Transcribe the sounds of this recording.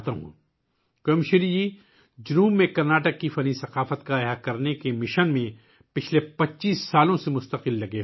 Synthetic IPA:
t̪ãɦṵ̃ | koːmʃɪɾid͡ʒi | d͡ʒʊɾuːbmẽkɐɾnaːʈəkːifɐnisɐqaːfət̪kaeɦakɐɾnekemɪʃənmẽ | pɪt͡ʃʰlepɐtːʃiːsːaːlõsemʊst̪ɐqɪlːɐɡe

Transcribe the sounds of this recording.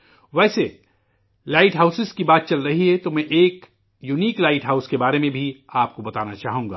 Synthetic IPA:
ʋɛːse | laːɪʈɦaʊsɪzkibaːt̪̚t͡ʃɐlɾɐɦiɦɛt̪omɛ̃ʔeːk | juːniːklaːɪʈɦaːʊskebaːɾemẽbʱiaːp̚kobɐt̪aːnat͡ʃaːɦũŋɡaː

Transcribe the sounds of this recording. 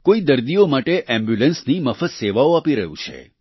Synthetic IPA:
koid̪əɾd̪iomaʈeʔɛ̃mbjulənsniməfət̪seʋaoapiɾəɦṵ̃t͡ʃʰḛ

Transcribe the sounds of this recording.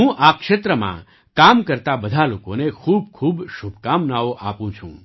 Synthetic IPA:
ɦũʔakʃet̪ɾəmã̰ | kamkəɾt̪abəd̪ʱalokonekʰub̚kʰuːbʃubʱkamnaoʔapũt͡ʃʰṵ̃

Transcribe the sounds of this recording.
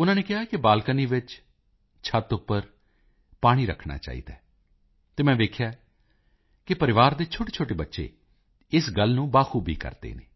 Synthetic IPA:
ʊnãːneːkɪɦaːkɪbaːlkəniːʋɪt͡ʃ | t͡ʃʰət̪ʊpːəɾ | paːɽ̃iːɾə̰kʰɳa̰ːt͡ʃa̰ːḭːd̪a̰ː | t̪eːmɛ̃ːd̪eːkʰjaː | kɪpəɾɪʋaːɾd̪eːt͡ʃʰoːʈeːt͡ʃʰoːʈeːbətːʃḛː | ɪsɡəlnũːbaːxʰuːbḭːkə̰ɾd̪ḛːnḛː

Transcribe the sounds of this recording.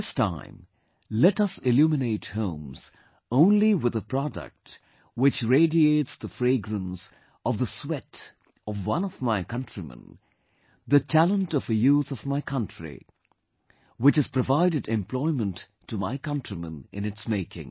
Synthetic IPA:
ɪstʰã̰ɪ̃m | lɛtʌsɪljumɨneɪthõʊ̃mz̥ | õʊ̃nliwɨðəpʰɹ̥ɑdə̰k̚t | wɨt͡ʃɹeɪdieɪtsðəfɹeɪɡɹə̃ns | ʌvðəswɛt | ʌvwʌ̃nʌvmaɪkʌ̃ntɹ̥imə̰̃n | ðɨtʰælə̃ntʌvɨjuθʌvmaɪkʰʌ̃ntɹḭ | wɨt͡ʃɨz̥pɹɨvaɪɾɨdɨ̃mpʰl̥ɔɪmə̃ntʰː | umaɪkʌ̃ntɹ̥imə̰̃nʔɨ̰̃nɨtsmeɪkʰɪ̰̃ŋ

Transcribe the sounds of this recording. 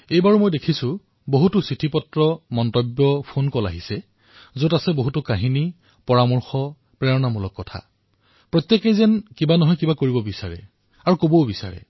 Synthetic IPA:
ejbaɹumojdekʰisʊ | boɦutʊsɹitʰipɔtɹɔmɔntɔbjɔpʰonkɔla̰ɦisɛ | zotasɛboɦutʊkaɦini | pɔɹamɔɹxɔ | pɹɛɹɔnamulɔkːɔtʰa̰ | pɹɔt̪jekezɛnkibanɔɦɔjkibakoɹibɔbisaɹɛ̰ | aɹukobowbisa̰ɹɛ̰

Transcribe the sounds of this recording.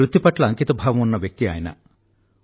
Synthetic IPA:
ɾud̪ʱːipɐʈlɐːŋkit̪ɐbʱaːʋɐmunːɐʋjɐk̚t̪ia̰ːjɐnɐ̰

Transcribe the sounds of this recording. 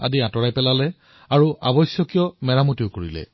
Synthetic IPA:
a̰diãtɔɹajpɛlalɛ | aɹuʔa̰bɔjsjɔkijɔmɛɹamutiʊkoɹilɛ̰

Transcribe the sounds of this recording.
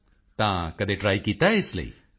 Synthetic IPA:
t̪ãkɐd̪eʈɾaːikiːt̪aɦɛɪslɐ̰ḭ

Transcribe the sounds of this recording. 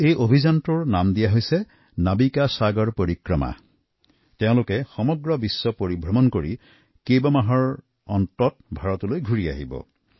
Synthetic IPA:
ejʔobʱizantuɹnamdijaɦojsɛ | nabikasaɡɔɹpoɹikɹɔma̰ | teʊ̃lʊkɛxɔmɔɡɹɔbisːɔpoɹibʱɹɔmɔnkoɹḭ | kejbamaɦɔɹ | ɔntɔtbʱaɹɔtɔlojɡʱuɹia̰ɦḭbɔ̰

